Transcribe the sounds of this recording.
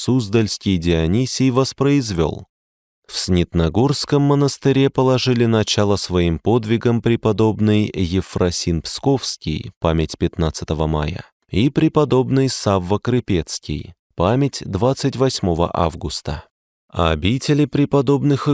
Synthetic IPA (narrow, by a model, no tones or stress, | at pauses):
suzd̪əlʲskʲɪjdʲɪɐnʲisʲɪjvəspɾəɪzvʲo̞̰lˠ | fsʲnʲɪt̪nɐɡorskəmːənəst̪ɨɾʲepəlˠɐʐɨlʲɪnɐt͡ɕalˠəsvɐimpo̞d̪vʲɪɡəmpɾʲɪpɐd̪o̞bnɨjjɪfrɐsʲinpsko̞fskʲɪ̰jpamʲɪtʲpʲɪt̪nat̪sɨ̥t̪əvəma̰jə̰ | ipɾʲɪpɐd̪o̞bnɨjsavːəkɾɨpʲet̪skʲɪ̰j | pamʲɪtʲd̪vat̪sɨtʲvɐsʲmo̞və̰ʔa̰vɡʊst̪ə̰ | ɐbʲitʲɪlʲɪpɾʲɪpɐd̪o̞bnɨx